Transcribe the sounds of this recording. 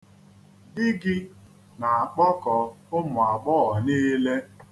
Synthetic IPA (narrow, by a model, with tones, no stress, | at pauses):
dɪ˦ɡɪ˦ | na˨a˨k͡pɔ˦kɔ˨ʊ˦mʊ˨a˨ɡ͡bɔ˦ɔ˨niː˦le˦